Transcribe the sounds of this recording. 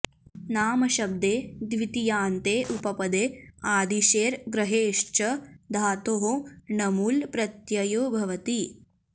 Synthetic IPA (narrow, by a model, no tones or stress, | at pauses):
naːmɐʃɐb̚d̪eːd̪ʋit̪ijaːnt̪eːʔupɐpɐd̪eːaːd̪iʃeːɾɡɾɐɦeːʂt͡ʃɐd̪ʱaːt̪oɦonɐmuːlpɾɐt̪jɐjoːbʱɐʋɐt̪i